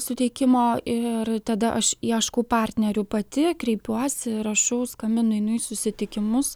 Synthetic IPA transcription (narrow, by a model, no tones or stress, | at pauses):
sʊt̪ʲɛɪkʲɪmoːɪrt̪ɐd̪ɐʔɐʃiɛʃkuːpɑːˑrʲt̪ʲnʲɛɾʲʊpɐt̪ʲɪkɾʲɛɪpʲuɔsʲɪɾɐʃɐʊskɐmʲbʲɪnʊɛɪnʊjsʊsʲɪt̪ʲɪkʲɪmʊs